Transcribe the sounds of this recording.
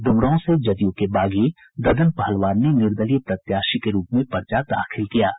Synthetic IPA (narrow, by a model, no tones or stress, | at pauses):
ɖ̪ʊmɾaõsed͡ʒɐd̪jõkebaːɡe | d̪ɐd̪ənpɐɦəlʋaːɾnenɪɾd̪əlip̪ɾɐt̪jaːʃikeɾuːpmẽpɐɾt͡ʃad̪a̰ːxʰɪlkijaː